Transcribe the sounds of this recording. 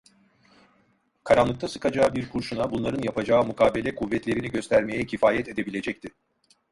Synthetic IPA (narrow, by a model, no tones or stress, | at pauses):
kʰaɾanlˠɯk̚t̪ʰasɯ̥kʰad͡ʒaːbiɾkʰuɾʃunabunlˠaɾɯnjapad͡ʒaːɯmukʰaːbelʲɛkʰuvːɛt̪lʲe̞ɾiniɟø̞st̪ʰæɾme̞jɛcʰifaːjɛt̪e̞d̪e̞bilʲe̞d͡ʒɛc̚t̪ʰɪ